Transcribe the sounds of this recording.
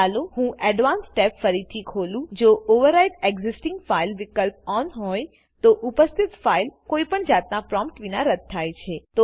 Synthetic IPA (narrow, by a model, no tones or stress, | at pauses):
aloɦũʔɛɖʋansʈɛpfəɾit̪ʰikʰolũd͡ʒoʔoʋəɾaiʈeɡzɪsʈɪ̃ŋɡfailʋɪkəlp̚ɔnɦɔj | t̪oʔʊpəst̪ʰit̪failkoipəɳd͡ʒat̪napɾɔ̃mpʈʋinaɾəd̪̚t̪ʰːajt͡ʃʰet̪o